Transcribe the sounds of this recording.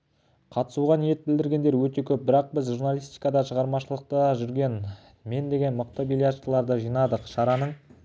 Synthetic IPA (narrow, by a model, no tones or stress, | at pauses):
qʰɑt̪ə̥suʁɑnije̞t̪̚bɪld̪ɪɾɡʲe̞nd̪eɾwɵt̪e̞kʲʰɵp̚bɪɾɑq̚bɪzʒuɾnalʲˠijst̪i̥jkɑd̪ɑʃəʁɑɾmɑʃəlˠəq̚t̪əʒʏɾɡʲe̞n | me̞nd̪e̞ɡʲe̞nmʊq̚t̪əbilʲjat̪ʃəlˠɑɾd̪əʒijnɑd̪əqʃɑɾɑnəɴ